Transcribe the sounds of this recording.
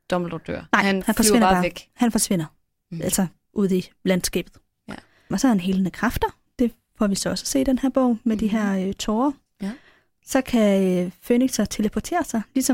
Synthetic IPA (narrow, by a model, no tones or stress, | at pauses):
d̥ɒml̩d̥ɔ̥d̥ø̰ɐ̰nɑ̈ɪ̰nhænfɒ̽e̝nɐbɑ̈ːɡ̥hænfɒ̽sʋe̝n̰ɐ | ælsɒ | ʔuð̞̰ˠilænd̥sɡ̥ɛ̰ːb̥ð̩ˠ | ɒsɒ̽hænɦe̝lənəkʰʁɑfd̥ɐ | d̥e̝ | fɒʋisɒ̽ɒ̽sə̥se̝̰ːd̥enhæɐ̰b̥ɔ̰ʊ̰med̥iɦæɐ̰øt͡sʰɔːɐ | sɒ̽kʰæøføniɡ̥sɒ̽t͡sʰe̝ləpʰot͡sʰe̝̰ːɐsɑ̈ɪlisɒ̽